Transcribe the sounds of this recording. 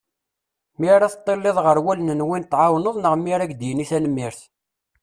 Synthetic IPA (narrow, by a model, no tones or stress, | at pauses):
miɾaθt̪ˤːelːeðˤʁəɾwælnənwint̪ːʕawnəðˤnəʁmiɾæɡd̪jəniθænəmːiɾθ